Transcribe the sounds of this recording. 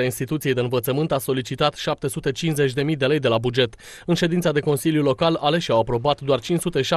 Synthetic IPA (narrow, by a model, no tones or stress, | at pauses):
ainst̪it̪ut̪sied̪eɨnvət̪səmɨnt̪aso̞lit͡ʃit̪at̪ʃap̚t̪e̞sut̪e̞t͡ʃinze̞t͡ʃʲd̪e̞mijd̪e̞le̞jd̪e̞labud͡ʒe̞t̪ | ɨnʃe̞d̪int̪sad̪e̞ko̞nsiljulo̞kalale̞ʃʲawapɾo̞bat̪d̪oart͡ʃinsut̪e̞ʃa